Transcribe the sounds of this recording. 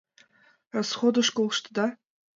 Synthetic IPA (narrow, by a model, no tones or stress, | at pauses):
rasχod̪ɨʂkʼolˠʂt̪ʰd̪a